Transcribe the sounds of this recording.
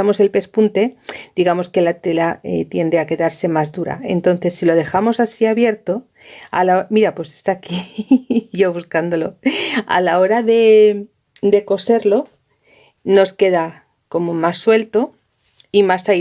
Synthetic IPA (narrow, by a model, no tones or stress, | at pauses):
amo̞se̞lpe̞spunt̪e̞d̪̥iɣamo̞ske̞lat̪e̞laḛt̪je̞nd̪e̞ake̞ðaɾse̞mazðuɾa̰e̞nt̪o̞nθe̞sːiloð̞e̞xamo̞sasiaβje̞ɾt̪o̞ | a̰laomiɾapwe̞se̥st̪aki | ʝo̞β̞uskand̪o̞lo̞a̰lao̞ɾaðe̞ | d̪e̞ko̞se̞ɾlo̞ | no̞ske̞ða | ko̞mo̞masːwe̞lt̪o̞ | imasa